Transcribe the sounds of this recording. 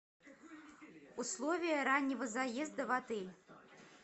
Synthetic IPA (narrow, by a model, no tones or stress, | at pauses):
uslˠɔvʲijɐɾanʲːivɐzajɛzd̪ɐvat̪ɨlʲ